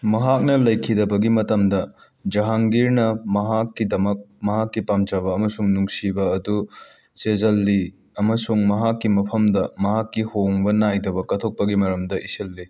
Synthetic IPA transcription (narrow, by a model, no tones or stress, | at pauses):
mɐɦak̚nɐlɐjkʰidɐbɐɡimɐtɐmdɐ | d͡ʒɐɦaŋɡiɾnɐmɐɦakːidɐmɐk̚mɐɦakːipamd͡ʒɐβɐːmɐsuŋnuŋsibɐɐdu | sezɐlːi | ɐmɐsuŋmɐɦakːimɐpʰɐmdɐmɐɦakːihoŋbɐnajdɐbɐkɐtʰok̚pɐɡimɐɾɐmdɐʔiselːi